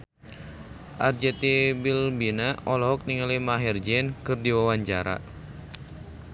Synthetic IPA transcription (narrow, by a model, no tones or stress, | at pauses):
ʔard͡ʒɛt̪ibilbinaɔlɔɦɔk̚niŋalimaɦird͡ʒɛnkɨrdiwawaɲt͡ʃaɾa̰